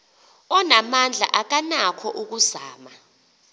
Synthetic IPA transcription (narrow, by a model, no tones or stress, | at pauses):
ɔnamand͡ɮʱa̰ʔak̬anakʰɔʔuk̬uzaːma